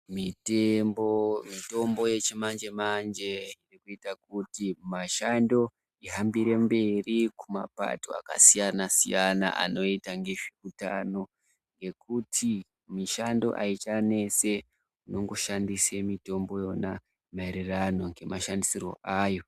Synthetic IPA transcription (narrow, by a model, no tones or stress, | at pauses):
mitembomito̞mbo̞je̞t͡ʃemand͡ʒe̞mand͡ʒe̞irikuitakutimaʃando̞ | iɦambiɾe̞mbe̞rikuma̰pa̰to̞̰a̰ka̰sijanasijana̰ʔa̰no̞itaŋɡeʐikutano̞ | ŋɡe̞kutʰi | miʃando̞̰ʔait͡ʃane̞se̞ | uno̞ŋɡo̞ʃandisemito̞mbo̞jo̞na | maeɾirano̞ŋɡe̞maʃandisiro̞̰ʔaːjo̞